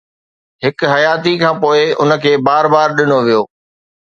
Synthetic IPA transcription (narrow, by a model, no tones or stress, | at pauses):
ɦɪkɦɐjaːt̪ikʰãːpoːɪʊ̰nə̆kʰeːbaːɾbaːɾɗɪnoʋijoː